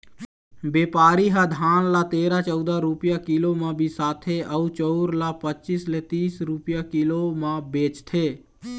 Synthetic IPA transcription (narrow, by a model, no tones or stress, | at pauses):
beːpaːɾiɦad̪ʱaːnlat̪eːɾat͡ʃɔʊd̪aɾupjakiːlomãbʱisaːt̪ʰeʔəut͡ʃɔːɾlapət͡ʃislet̪iːsɾupjakiːlomãbeːt͡ʃt̪ʰeː